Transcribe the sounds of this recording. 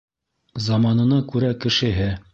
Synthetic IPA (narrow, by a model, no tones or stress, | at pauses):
zɑmɑnɤ̆nɑkʉɾækɘ̆ʃɘ̆ɦɘ